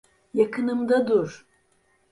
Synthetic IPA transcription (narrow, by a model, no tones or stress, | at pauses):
jakʰɯnɯmd̪ad̪uɾ